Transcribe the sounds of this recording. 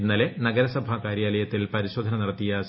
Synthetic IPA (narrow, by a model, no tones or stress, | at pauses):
nːɐlenɐɡɐɾɐsɐbʱɐkaːɾjaːlɐjɐt̪ːilpɐɾiɕo̞ːd̪ʱɐnɐnɐɽɐt̪ːijɐs